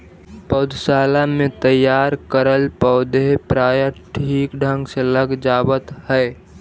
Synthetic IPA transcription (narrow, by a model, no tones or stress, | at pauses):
pɔːd̪ʱsaːlamẽt̪əjːaːɾkəɾəlpɔːd̪eɦpɾaːjəʈʰiːkɖʱə̃ŋɡseləɡd͡ʒaːwət̪hɛː